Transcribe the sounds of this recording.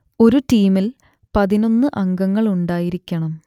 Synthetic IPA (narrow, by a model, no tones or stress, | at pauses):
o̞ɾuʈiːmil | pɐðino̞nːɨʔɐŋɡɐŋːɐɭuɳɖaːjiɾikʲːɐɳɐm